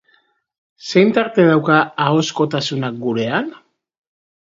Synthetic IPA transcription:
se̞jnt̪aɾt̪e̞ð̞awkaːo̞sko̞t̪asunak̚ɡuɾe̞an

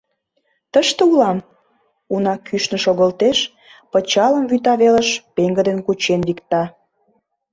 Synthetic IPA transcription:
t̪əʃt̪əulɑm | unɑkʰyʃnə̆ʃoɣəlt̪eʃ | pət͡ɕɑlə̆mβyt̪ɑβelə̆ʃpeŋɡə̆d̪enkut͡ɕenβikt̪ɑ

